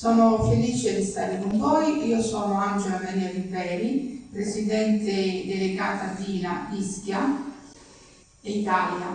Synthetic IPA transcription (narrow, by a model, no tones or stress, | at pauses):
sɔːnofeliːt͡ʃed̪ist̪aːɾekoɱvɔːjʔiːosɔːnoand͡ʒelamaɾiːaɾibɛːɾipɾesid̪ɛnt̪ed̪eleɡaːt̪ad̪iːnaiskja | eit̪aːlja